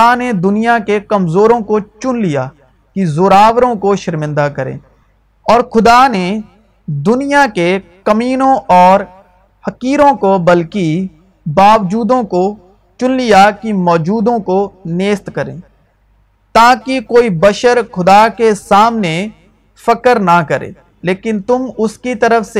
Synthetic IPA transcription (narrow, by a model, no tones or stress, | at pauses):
aned̪ʊnijakekəmzoːɾõkot͡ʃʊnlijaː | kizoːɾaːʋɾõkoʃəɾmɪ̃nd̪akəɾḛ̃ː | ɔːɾxʊd̪ane | d̪ʊnijakekəmiːnõʔɔːɾ | həkiːɾõkobəlki | baːʋd͡ʒuːd̪õko | t͡ʃʊnlijakimɔːd͡ʒuːd̪õkoneːst̪kəɾḛ̃ː | t̪ãːkikoːibɐʃəɾxʊd̪akesaːmne | fəkəɾnakəɾḛ̃ː | leːkɪnt̪ʊmʊskit̪ɐɾəfse